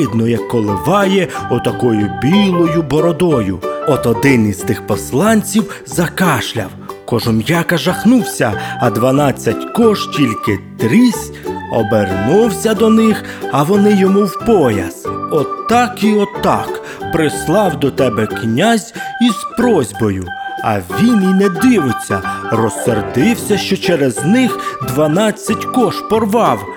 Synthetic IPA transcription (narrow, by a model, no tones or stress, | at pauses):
ɪd̪nɔjɛkːɔlˠɪʋɑjɛɔt̪ɐkɔjʊbʲilˠɔjʊbɔɾɔd̪ɔjʊ̰ɔt̪ɔd̪ɪnizt̪ɪxpɔslˠɑnʲt͡sʲiwzɐkɑʃlʲɐ̰wkɔʒɔmjɑkɐʒɐxnuwsʲɐɐd̪ʋɐnɑt͡sʲːɐtʲkɔʒtʲilʲkɪt̪ɾʲisʲ | ɔ̰bernuwsʲɐd̪ɔnɪx | ɐʋɔnɪjɔmuwpɔjɐ̰sɔt̪ɑkiɔt̪ɑ̰k | pɾɪslˠɑwd̪ɔt̪ɛbɛknʲazʲiz̥pɾɔzʲbɔjʊɐ̰ʋʲininɛd̪ɪʋɪt͡sʲːɐrɔserd̪ɪwsʲɐʃt͡ʃɔt͡ʃɛɾɛznɪxd̪ʋɐnɑt͡sʲːɐtʲkɔʃpɔrʋɑw